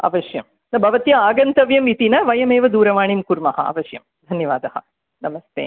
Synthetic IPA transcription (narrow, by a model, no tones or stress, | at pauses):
a̰ːʋɐʃjɐ̰m | nɐbʱɐʋɐt̪jɐaːɡɐnt̪ɐʋjɐmit̪inɐʋɐjɐmeːʋɐd̪uːɾɐʋaːɳimkuɾmɐhɐ̰a̰ːʋɐʃjɐm | d̪ʱɐnjɐʋaːd̪ɐhɐ̰̆ | nɐmɐst̪ḛː